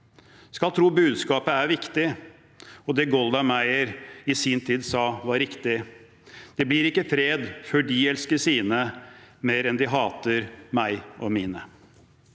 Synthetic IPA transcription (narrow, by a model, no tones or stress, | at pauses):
skɑlt̪ʰɾuːbʉːd̪skɑːpəæɾʋɪkt̪ɪ | ɔd̪ɛɡɔlˠd̪ɑmæɪəɾɪsint̪ʰiːd̪sɑːʋɑɾɪkt̪ɪ | d̪̥ɛblɪɾɪkːəfɾeːd̪fɔɖiɛlskəsiːnəmeːɾɛnd̪ɪɦɑːt̪əɾmæɪʔɔmiːnə